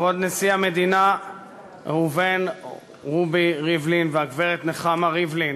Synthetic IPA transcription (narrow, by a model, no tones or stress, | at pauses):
vod̪nesiamed̪ina | huven | ʁubiʁivlinveaɡveʁet̪neχamaʁivlin